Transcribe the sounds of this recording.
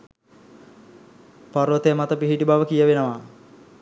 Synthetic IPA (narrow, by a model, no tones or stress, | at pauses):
paɾʋət̪eəmat̪əpiɦiʈibaʋəkijəʋenəʋa